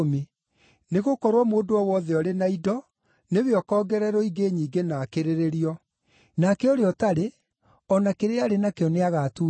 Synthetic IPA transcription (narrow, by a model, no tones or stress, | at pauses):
me | neɣokɔɾwɔmoːdoɔwɔðɛɔɾenaidɔ | neβeɔkɔːɡɛɾɛɾɔiɡeɲiːɡenakeɾeɾeɾiɔ | nakɛoɾeɔtaɾe | ɔnakeɾeaɾenakeɔneaɣatu